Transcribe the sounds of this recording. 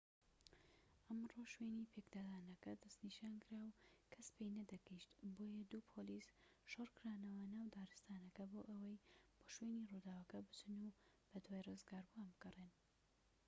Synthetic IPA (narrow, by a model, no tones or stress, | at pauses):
ʔɐmroːʃwenipʰekd̪aːd̪aːnɐkɐd̪ɐst̪niʃaːnkɨɾaːwkʰɐspʰejnɐd̪ɐɡiʃt̪bojɐd̪uːpʰolisʃorkɨɾaːnɐwɐnaːwd̪aːɾɨst̪aːnɐkɐboːʔɐwɐjb̥oʃwenirud̪aːwɐkɐbɨt͡ʃɨnu | b̥ɐd̪waːjrɨzɡaːɾbuambɨɡɐren